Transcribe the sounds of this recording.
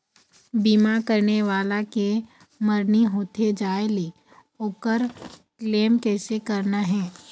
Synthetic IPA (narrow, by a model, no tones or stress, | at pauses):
biːmakəɾneʋaːlake | məɾniɦoːt̪ed͡ʒaːeli | oːkəɾkleːmkɛːsekɐɾnaɦɛ̃ː